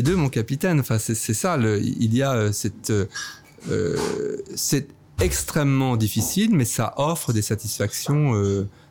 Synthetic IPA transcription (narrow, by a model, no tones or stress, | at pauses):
ed̪ømɔ̃kapit̪ɛnɑ̃fɛ̃sɛsɛsaləḭḭlijaøsɛt̪ø | ø̰ | sɛt̪ | ɛkst̪χɛmːɑ̃d̪ifisilmɛsa̰ʔɔfχəd̪esat̪isfaksjɔ̃ø